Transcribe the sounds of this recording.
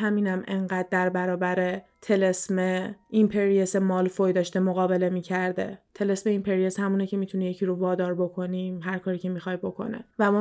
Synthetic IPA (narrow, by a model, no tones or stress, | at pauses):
ɦæmiːnæmʔe̞ɴɢæːd̪̚ːæɾbæɾɒːbæɾe̞t̪ʰe̞lesmeʔimpʰe̞ɾiese̞mɒːlfojd̪ɒːʃt̪e̞moɣɒːbe̞le̞miːcʰæɾd̪e̞̰t̪ʰe̞lesme̞impʰeɾijeshæmuːnecʰe̞mit̪ʰunijecʰiɾovɒːd̪ɒːɾbo̞kʰo̞niːmɦæɾkʰɒːɾiːcʰe̞mixɒjbo̞kʰo̞̰nḛvæmɒː